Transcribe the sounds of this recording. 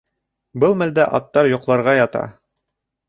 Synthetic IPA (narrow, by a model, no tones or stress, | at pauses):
bɤlˠmæld̪æʔɑ̰t̪ːɑɾjŏqlˠɑɾʁɑjɑt̪ɑ̰